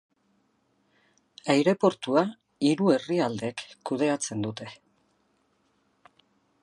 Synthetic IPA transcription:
ajɾe̞po̞ɾt̪ua | iɾue̞riald̪e̞kːuð̞e̞at͡se̞nd̪ut̪e̞

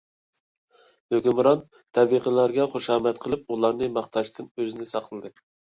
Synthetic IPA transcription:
høkʲymɾɑn | t̪ʰɛbiqəlæɾɡʲɛχoʃɑːmɛt̪̚qʰəlˠɨpulˠɑɾnɨmɑχt̪ʰɑʃt̪ʰɨnøzɪnɪsɑqʰəlˠɨd̪ɨ

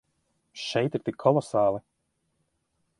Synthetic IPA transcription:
ʃɛjt̪iɾt̪ikʰːɔlˠɔsaːlˠi

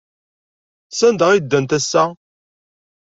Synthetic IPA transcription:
sænd̪əʁid̪ːænt̪æsːæ

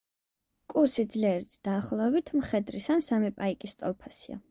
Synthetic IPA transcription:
kʼuɾsid̪zliɛɾit̪ʰd̪̥aːχlˠɔɛbit̪ʰmχɛd̪ɾisansamipʼaikʼist̪ʼɔ̰lˠpʰasia̰

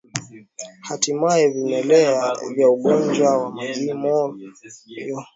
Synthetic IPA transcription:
hatimaɛvinɛlɛavjauɠɔnd͡ʒwawamaʄimɔ | jɔ

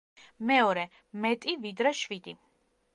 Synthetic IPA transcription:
mɛɔɾɛ | mɛt̪ʼivid̪ɾɛʃwid̪i

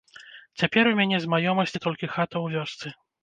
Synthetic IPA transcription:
t͡sʲapʲɛɾumʲanʲɛzmajɔmɐsʲt͡sʲit̪ɔlʲkʲixat̪ɐwvʲɔst̪sɨ

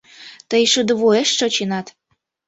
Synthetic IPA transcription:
t̪əjʃəd̪ə̆βueʃːot͡ɕenɑt̪

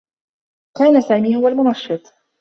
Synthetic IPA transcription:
kaːnasaːmiːhʊwalmʊnɑʃːɨt̪ˤ

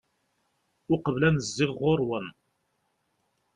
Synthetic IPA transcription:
ʊqəvlænəzːɪʁʊɾwən

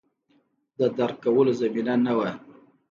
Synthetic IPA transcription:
d̪əd̪aɾkawəlozaminanawa

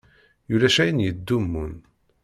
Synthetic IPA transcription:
julæʃæjənjəd̪ːumːun

